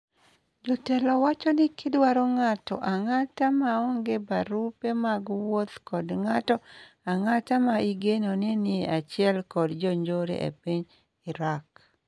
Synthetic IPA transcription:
d͡ʒɔtɛlɔwat͡ʃɔnɪkʰɪdwaɾoŋatɔ̰ʔaŋatamaɔŋɡebaɾupemaɡwot̪kɔdŋatɔ | aŋatamaiɡenonenɪat͡ʃɪɛlkɔdd͡ʒɔɲd͡ʒoɾḛʔḛpiɲ | ɪɾak

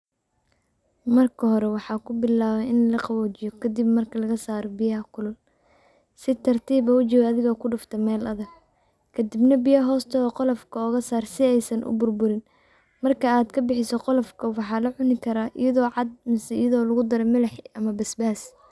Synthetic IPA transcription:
mɐrkʰɐɦɔɾɛwɑħɑːkʰʊbɪlaːβɛɪnlɐqɑwɔːt͡ʃɪjɔkʰɐd̪ɪbmɐrkʰɐlɐɣɐsaːɾɔbɪjɐɦɐkʰʊlʊl | sɪt̪ʰɐrt̪ʰiːbɐʊt͡ʃɪwɐðɪɣɐkʰʊɖʊft̪ʰɐmɛːlɐðɐɡ̚ | kʰɐd̪ɪbnɐbijɐɦɔːst̪ʰɐɔːqɔlɔfkʰɐɔːɣɐsaːrsɪɛjsɐnʔʊ̰bʊrbʊɾɪn | mɐrkʰɐaːd̪kʰɐbɪħɪsɔqɔlɔfkʰɐwɑħɑːlɐʕʊnɪkʰɐɾaːʔɪ̰jɐðɔːʕɑd̪̚mɪsɪ̰jɐðɔːlɐɣʊd̪ɐɾɛmɐlɛħʔɐmɐbɐsbaːs

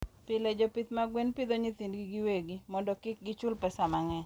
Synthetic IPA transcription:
pɪled͡ʒopit̪maɡwenpid̪oɲit̪indɡiɡiweɡimɔndɔkɪk̚ɡɪt͡ʃʊlpɛsamaŋɛ

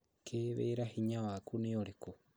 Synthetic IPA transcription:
kʰeβḛɾahiɲawakunioɾeko

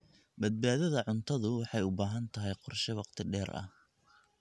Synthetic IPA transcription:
bɐd̪̚baːðɐðɐʕʊnt̪ʰɐðʊwɑħɑjʊbaːɦɐnt̪ʰɐɦɛjqɔrʃɐwɑqt̪ʰɪɖɛːɾɐ̰h

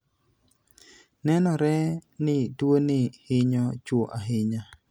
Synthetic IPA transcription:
nɛnɔɾɛnɪdwonɪhɪɲɔt͡ʃwoʔaɦɪɲa

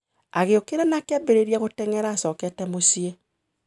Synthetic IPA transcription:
aɣeokeɾɛnakɛbeɾeɾiaɣotɛŋɛɾaːsɔːkɛtɛmosie

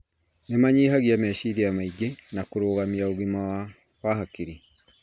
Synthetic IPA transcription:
nemaɲiːɦaɣjamɛːʃiɾeamaiɡenakoɾoːɣamiaoɣima | wahakiɾi

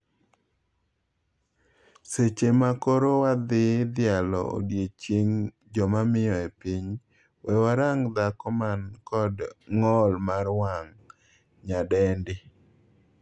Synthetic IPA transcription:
set͡ʃemakoɾowad̪ɪd̪ɪalɔ̰o̰djet͡ʃjeŋ | d͡ʒɔmamɪjɔepiɲ | wɛwaɾaŋd̪akɔmankɔdŋɔlmaɾwaŋ | ɲadɛndɪ

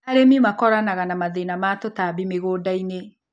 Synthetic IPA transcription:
aɾemimakɔɾanaɣanamaðenamatotaβimeɣoːdaine

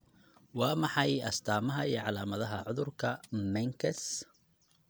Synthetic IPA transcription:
wɑːmɑħɑjɐst̪ʰaːmɐɦɐiːʕɑlaːmɐðɐɦɐʕʊðʊrkʰɐmɛŋkʰɐs

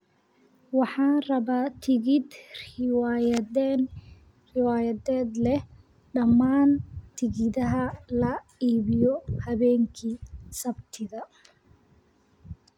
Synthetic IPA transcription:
wɑħɑːnrɐβaːt̪ʰɪɣɪd̪rɪwaːjɐðɛːn | rɪwaːjɐðɛːd̪lɛh | ɖɐmːaːnt̪ʰɪɣɪðɐɦɐlɐ | iːβɪjɔhɐβɛːŋkʰiːsɐbt̪ʰɪðɐ

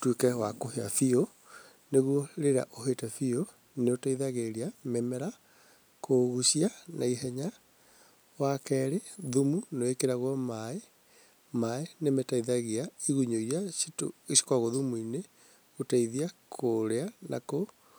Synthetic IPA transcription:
twekɛwakohea̰fio | neɣuɔɾeɾa̰ʔoɦetɛfio | neotaiðaɣeɾiamɛmɛɾa | kʰoɣuʃianaiɦɛɲa | wakɛɾeðumunoekeɾaɣɔmae | maenemetaiðaɣiaiɣuɲoijasito̰esi̥kwaɣoðumuine | otaiðiakʰoɾeana̰ko

